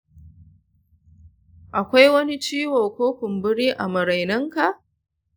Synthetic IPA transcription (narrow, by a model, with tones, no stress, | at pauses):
ʔa˨kʷa˦jwɐ˦ni˦t͡ʃiː˦woː˨kʷoː˦kʷʊ˨mbʊ˦ɽiː˦ʔa̰˨mɐ˨ɾa˨jnɐ˦ŋka˨ʔ